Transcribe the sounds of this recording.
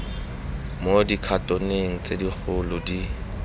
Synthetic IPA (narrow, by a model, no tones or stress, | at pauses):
modikʰatʼoneŋ̩t͡sʼedik͡xʰʊlʊdi